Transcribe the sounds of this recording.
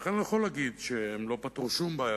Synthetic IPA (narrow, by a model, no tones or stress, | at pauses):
χenjeχolaɡid̪ʃeemlo̞pat̪uʃumbaːja